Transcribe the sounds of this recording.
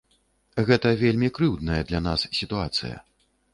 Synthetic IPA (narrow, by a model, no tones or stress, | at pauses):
ɣɛt̪ɐvʲelʲmʲikɾɨwd̪nɐjɐd̪lʲanassʲit̪uat̪sɨ̰jɐ̰